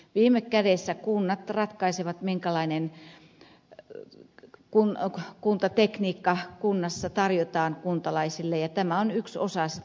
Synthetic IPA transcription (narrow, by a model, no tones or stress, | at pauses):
ʋiːmːˑekkædesːækunːɑt̪rɑt̪kɑiseʋɑt̪miŋkælɑinen | kunkunt̪ɑt̪ekniːkːɑkunːɑsːɑt̪ɑrjot̪ɑːnkunt̪ɑlɑisilːejɑt̪æmæonykso̰sɑs